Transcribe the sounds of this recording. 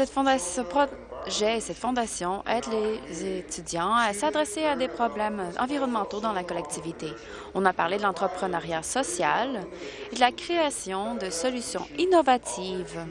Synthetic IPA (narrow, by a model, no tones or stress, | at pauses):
sɛt̪fɔ̃d̪asəpχɔʒɛesɛt̪fɔ̃d̪asjɔ̃ʔɛt̪lezet̪yd̪jɑ̃ɛsad̪ʁesead̪epχɔblɛmɑ̰̃viʁɔnmɑ̃t̪od̪ɑ̃lakɔlɛk̚t̪ʰivit̪e | ɔ̃napaʁled̪əlɑ̃t̪χəpχənaʁjasɔsjal | ed̪əlakχeasjɔ̃d̪əsɔlysjɔ̰̃inɔvat̪ʰiːv